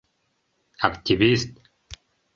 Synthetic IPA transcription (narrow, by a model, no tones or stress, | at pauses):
akt̪ʲivist̪